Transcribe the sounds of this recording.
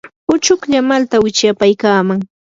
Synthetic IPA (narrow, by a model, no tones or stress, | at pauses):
ʊt͡ʃʊkʎamalt̪awɪt͡ʃjapajkaːmaŋ